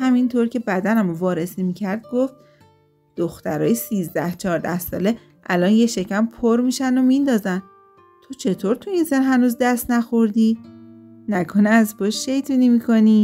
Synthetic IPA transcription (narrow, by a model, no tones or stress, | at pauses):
hæmint̪ʰoɾcʰe̞bæd̪ænæmovɒːɾesimicʰæɾd̪̚ɡoft̪ | d̪̥oxt̪æɾɒ̰ːjesiːzd̪æht͡ʃʰɒːɾd̪æhsɒ̰ːle̞ | ʔælɒnje̞ʃe̞cæmpʰoɾmiʃænd̪omind̪ɒːzæn | t̪ʰot͡ʃʰe̞t̪ʰoɾt̪ʰuinsenɦænuːzd̪æst̪næxoɾd̪i | nækʰonɛæzpʰoʃʃe̞jt̪ʰunimikʰo̞ni